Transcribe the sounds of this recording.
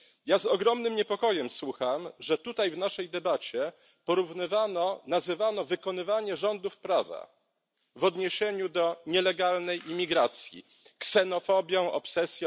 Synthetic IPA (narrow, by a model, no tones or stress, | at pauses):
jazɔɡɾɔmnɘmɲɛpɔkɔjɛmswuxamʐɛt̪ut̪ajvnaʂɛjd̪ɛbat͡ɕɛ | pɔɾuvnɘvanɔnazɘvanɔvɘkɔnɘvaɲɛʐɔnd̪ufpɾava̰ | vɔd̪ɲeɕeɲud̪ɔɲɛlɛɡalnɛjimʲiɡɾat̪sʲjḭ | ksɛnɔfɔbʲjɔ̃w̃ʔɔ̰psɛsʲj